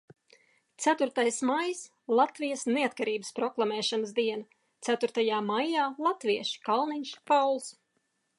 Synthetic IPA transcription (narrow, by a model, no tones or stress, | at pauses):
t̪sæt̪uɾt̪ajsmajs | lˠat̪vijasneat̪̚kaɾiːbəspɾɔklˠamɛːʃanəzd̪iɛna | t̪sæt̪uɾt̪ajaːmajaːlˠat̪viɛʃi̥kalˠniɲʃpawlˠs